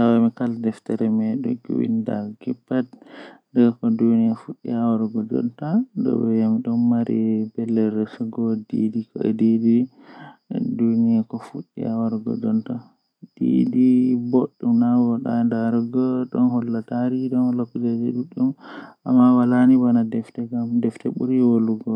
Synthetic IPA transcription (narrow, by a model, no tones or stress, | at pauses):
tawamikaldɛftaɾɛmɛɗɔ̰ɡṵwḭnda̰ɡɛpːatdɛɡkɔduniafuɗːḭawaɾɡɔd͡ʒɔ̰ntadɔ̰bɛjamiɗɔnmaɾibɛlːɛɾɛsuɡɔdḭdikɔɛ̰dedi | dunijakɔfuɗːḭawaɾɡɔ̰d͡ʒɔnta | d̥ḭdiboɗːumnawɔɗa̰ndaɾɡɔɗɔ̰nɦɔlːataɾiɗɔnhɔlːakud͡ʒad͡ʒɛ̰ɗuɗːumʔa̰mːawalanibanadɛftɛɡamdɛftɛɓṵɾiwoluɡɔ